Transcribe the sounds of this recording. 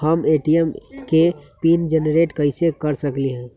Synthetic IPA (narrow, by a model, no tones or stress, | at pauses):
həmeʈiəmkepiːnd͡ʒənɾeːʈkəɪsekəɾsəkliɦɛ̃ː